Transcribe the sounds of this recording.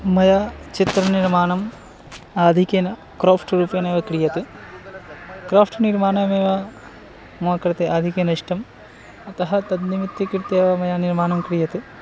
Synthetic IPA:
mɐjɐt͡ʃit̪ɾɐniɾmaːnɐm | aːd̪ʱikɐnɐ | kɾoːfʰʈɾuːpjɐneːʋɐkɾijɐt̪ɨ | kɾaːpʰʈniɾmaːnɐmeːʋɐ | muɐkɾɐt̪eʔaːd̪ʱikjɐnɐʂʈɐm | ɐt̪ɐɦɐt̪ɐd̪nimit̪ːikiɾt̪eːʋɐmɐjaniɾmaːnɐmkɾijɐt̪ɨ

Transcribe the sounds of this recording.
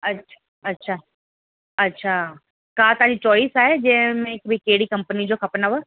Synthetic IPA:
ɐtːʰa | ɐtːɕʰaː | ɐtːɕʰa | kat̪ɐãd͡ʑit͡ɕɔːɪsaːɦed͡ʑɐ̃ɦɪ̃mẽɪkbʱikeɦɪɽikɐ̃mpənid͡ʑoxʰɐpnəʋə

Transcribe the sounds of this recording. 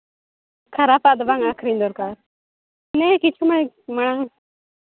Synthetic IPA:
kʰɐɾapad̪baŋaːkʰɾĩnd̪oɾkaɾ | nekit͡ʃʰuməɽ | mɐɽ̃aŋ

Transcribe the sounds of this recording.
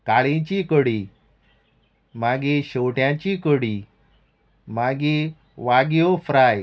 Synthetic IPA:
kaɭẽt͡ɕikəɽi | maɡiɕowʈjãt͡ɕikəɽi | maɡi | ʋaɡjofɾaj

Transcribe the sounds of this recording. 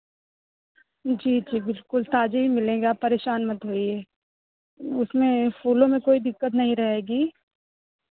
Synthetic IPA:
d͡ʒiːd͡ʒiːbɪlkʊlt̪aːd͡ʒeɦimɪlẽːɡapɐɾeːʃaːnmɐt̪ɦoːiɛː | ʊsmẽfuːlõmẽkoːid̪ɪkːət̪nɐɦĩɾɐɦeːɡiː

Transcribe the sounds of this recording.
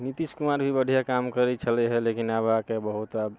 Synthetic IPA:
nit̪iskumaɾbʱibəɖʱijakamkəɾɛt͡ʃʰəlɛɦɛlekinabakebəɦut̪ab

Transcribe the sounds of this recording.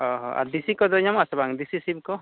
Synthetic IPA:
ɔɦɔʔa̰ɾd̪isikɔd̪ɔɲamasɔbaŋd̪isisib̚kɔ

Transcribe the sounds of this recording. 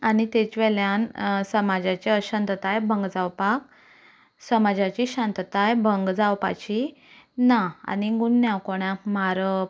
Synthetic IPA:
anit̪et͡ɕʋɛljansəmad͡ʑat͡ɕeəɕant̪t̪ajbʱəŋɡd͡zawpak̚ | səmad͡ʑat͡ɕiɕãnt̪ət̪ajbʱəŋɡd͡zawpa̰t͡ɕi | naa̰niɡunːjawkoɳ̃jakmaɾə

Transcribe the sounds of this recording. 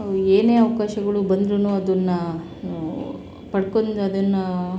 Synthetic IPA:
eːne̞ːɐʋɐkaːʃɐɡɐɭubɐnd̪ɾunuːɐd̪ɐnːɐ | pɐɽkond̪ɐd̪ɐnːɐ

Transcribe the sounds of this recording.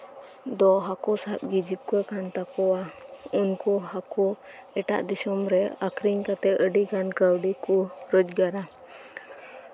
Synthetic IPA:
d̪ɔɦakɔsat̪̚ɡid͡ʒip̚kɔkʰant̪akɔwaunkɔɦakɔ | ɛʈa̰ʔd̪isɔmɾɛakʰɾiɲkat̪ɛəɖiɡankəwɖikɔɾəd͡ʒ̚ɡaɾa

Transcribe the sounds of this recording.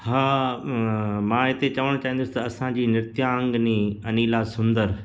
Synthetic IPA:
haː | mãːɪt̪et͡ɕɐʋəɽ̃t͡ɕaːɦĩnd̪ʊsɪ̥̆t̪ɐɐsãd͡ʑiːnɪɾt̪jaə̃ŋɡnĩɐniːlasʊ̃nd̪əɾ

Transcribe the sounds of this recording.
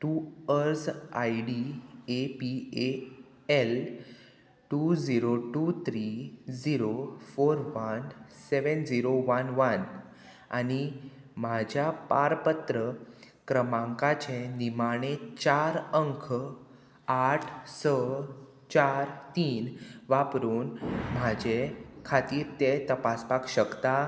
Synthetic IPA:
ʈuəɾsaiɽiepie | el | ʈud͡ziɾoʈut̪ʰɾid͡ziɾofoɾʋənseʋənd͡ziɾoʋənʋən | a̰ni | mad͡ʑʱjapaɾpət̪ɾə | kɾəmãŋkat͡ɕenimaɽ̃et͡ɕaɾəŋkʰə | aʈʰsə | t͡ɕaɾt̪iːnʋapɾuːnmad͡ʑekʰat̪iːɾt̪et̪əpaspakɕəkt̪a

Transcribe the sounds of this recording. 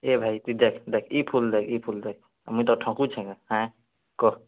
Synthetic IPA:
ebʱajt̪id̪ekʰd̪ekʰipʰuld̪ekʰipʰuld̪ek̚ʰ | a̰mut̪ɔʈʰɔ̃kut͡ʃʰɛ̃keɦã | kɔ

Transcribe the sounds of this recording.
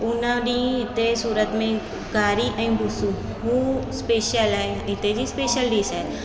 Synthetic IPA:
ʊnãɖĩɪt̪esuːɾət̪mẽ | ɡaːɾiʔaĩbʊsũ | ɦũspeːʃəlãɪt̪ed͡ʒispeːʃəlɖiːsɛn

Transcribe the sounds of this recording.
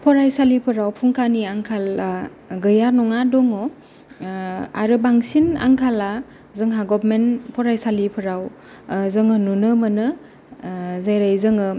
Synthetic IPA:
pʰɔɾajsalipʰɯɾawpʰuŋkaniaŋkʰala | ɡɯjanɔŋadɔŋɔ | a̰ɾɯbaŋsina̰ŋkʰala | zɯŋɦaɡɔbmenpʰɔɾajsalipʰɯɾaw | zɯŋɯnunɯmɯnɯ | zajɾajzɯŋɯ

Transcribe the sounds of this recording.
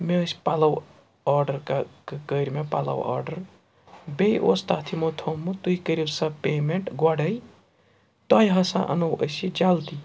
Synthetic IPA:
meəsʲpalɐw | aːɾɖɐɾkakɐkəɾʲmepa̰lɐ̰wa̰ːɾɖɐɾ | bejʔo̰st̪at̪ʰimot̪ʰomːut̪uikəɾibsɐpeːmeɳʈɡɐɖɐj | t̪ɔːjɦɐsã̰ʔɐ̰nɐwə̰sid͡ʒalt̪i

